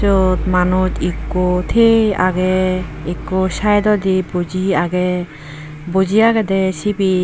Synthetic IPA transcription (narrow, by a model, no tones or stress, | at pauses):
ɔt̪manutikːot̪ʰea̰ɡɛːkːɔsajd̪ɔd̪ibɔd͡ʒiaɡɛ | bɔd͡ʒiaɡɛd̪ɛsibi